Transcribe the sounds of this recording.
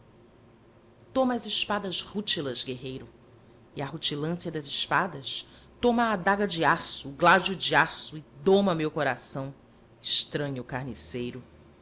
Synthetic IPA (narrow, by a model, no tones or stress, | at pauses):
t̪õmɐɐzɪʃpad̪ɐzhut͡ʃilɐzɡeɦejɾʊ | iaɦut͡ʃilɐ̃siɐd̪ɐzɪʃpad̪ɐs | t̪õmɐːd̪aɡɐd͡ʒɪasʊːɡlad͡ʒud͡ʒiasʊɪd̪õmɐmewkoɾasɐ̃w̃ | ɪʃt̪ɾɐ̃ɲʊkaɾnisejɾʊ